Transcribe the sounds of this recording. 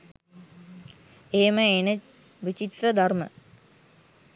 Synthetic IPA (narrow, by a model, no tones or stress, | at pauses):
eːməenə | ʋit͡ʃit̪rəd̪ʱarmə̰